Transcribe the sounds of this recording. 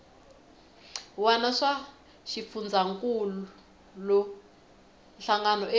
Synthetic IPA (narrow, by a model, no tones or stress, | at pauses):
wanaʂa | ʃifund͡zʱaŋkʼulu | lɔ | nɬaŋɡanɔe